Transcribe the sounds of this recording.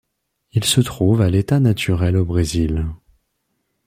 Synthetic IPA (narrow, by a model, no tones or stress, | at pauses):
ilsət̪χuvalet̪anat̪ʰyʁɛlobʁezil